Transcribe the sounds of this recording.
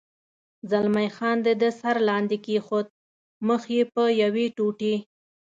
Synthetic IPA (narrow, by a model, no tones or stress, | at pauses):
zalmajxɑnd̪əd̪əsaɾlɑnd̪ekexot̪̚ | məxjepəjaweʈoʈe